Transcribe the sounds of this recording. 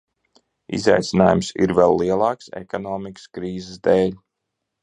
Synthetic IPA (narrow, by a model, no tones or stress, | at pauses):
ḭza̰jt̪sinaːjumsḭɾvɛlˠːiɛlˠɑːksḛkɔnɔːmikə̥skɾiːzɛsd̪ɛːlʲ